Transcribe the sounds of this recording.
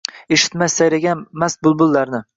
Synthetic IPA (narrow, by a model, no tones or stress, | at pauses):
eʃɪ̥t̪majsajɾaɡʲanmasbʊlˠbʊlˠːaɾnɪ